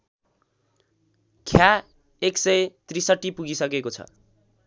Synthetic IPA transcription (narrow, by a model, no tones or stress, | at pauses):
kʰja | eksʌjt̪risʌʈːipuɡisʌkekot͡sʰʌ̰